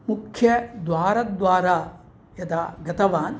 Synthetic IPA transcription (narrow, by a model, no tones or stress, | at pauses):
mukʰjɐd̪ʋaːɾɐd̪ʋaːɾaː | jɐt̪aːɡʱɐt̪ɐʋaːn